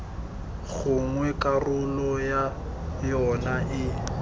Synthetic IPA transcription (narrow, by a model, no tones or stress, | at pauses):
ɣʊŋwɛkʼarʊlɔja | jɔnaʔɪ